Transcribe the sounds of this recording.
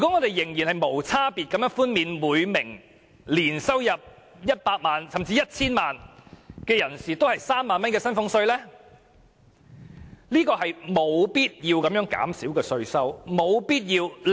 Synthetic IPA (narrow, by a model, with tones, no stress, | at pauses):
jy˨kɔ˨˥ŋɔː˨˧t̪e˨jːɪ˨˩ŋjiː˨˩nhɐ˨jmo˨˩wt͡sʰaː˥piː˨t̚kɐ˨˥mjœː˧˥ŋfuː˥nmiː˨˧nmuː˨˧jmɪ˨˩ŋ | liː˨˩nsɐ˥wjɐ˨p̚ | jɐ˥t̚paː˧k̚maː˨nsɐ˨˩mt͡siː˧jɐ˥t̚t͡sʰiː˥nmaː˨nkɛː˧jɐ˨˩nsiː˨t̪o˥whɐ˨jsaː˥mːaː˨nmɐ˥nkɛː˧sɐ˥nfʊ˥ŋsɵ˧ɥlɛː˥ | liː˥kɔː˧ɦɐ˨jmo˨˧wpiː˥t̚jiː˧wkɐ˨˧mjœː˨˥ŋka̰ː˨˥msiː˨˥wkɛː˧sɵ˧ɥsɐ˥wmo˨˧wpiː˥t̚jiː˧w